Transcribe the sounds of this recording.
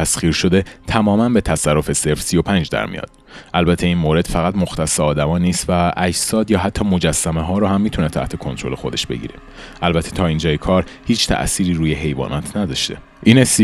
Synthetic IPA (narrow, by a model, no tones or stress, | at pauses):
æsχiːɾʃo̞d̪e̞t̪ʰæmɒːmænbe̞t̪ʰæsærːofe̞seɾfsijo̞pʰænd͡ʒd̪æ̰ɾmḭjɒ̰ːd̪̥ | ʔælbæt̪ʰe̞iːnmoːɾe̞d̪̥fæɣæt̪moxt̪ʰæsːeɒːd̪æmɒːniːst̪væʔæd͡ʒsɒːd̪jɒːɦæt̪ʰːɒːmo̞d͡ʒæsːæmeɦɒːɾɔːhæmːiːt̪ʰunet̪ʰæ̰ht̪ʰe̞kʰo̞nt̪ɾo̞le̞xo̞d̪e̞ʃb̥e̞̰ɟḭːɾe | ʔælbæt̪ʰet̪ʰɒːind͡ʒɒːjekʰɒːɾ | hiːt͡ʃʰt̪ʰæ̰ʔsiːɾiːɾuːjeɦe̞jvɒ̰ːnʔɒːt̪ʰnæd̪ɒʃt̪ḛ | ʔiːnesi